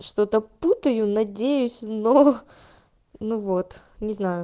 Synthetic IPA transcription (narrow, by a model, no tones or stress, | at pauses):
ʂt̪o̞t̪əput̪əjʊnɐdʲejʊsʲno | nuvo̞t̪ | nʲɪznajʊ